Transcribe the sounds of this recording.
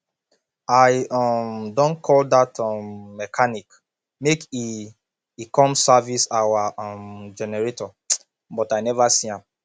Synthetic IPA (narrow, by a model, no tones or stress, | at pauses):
aɪɔmdɔ̃nkʰɔldatɔmːɛkʰanik | mekiː | kʰɔ̃msavisawaɔ̃md͡ʒɛnɛɹetɔ | bɔtajnɛvasĩãm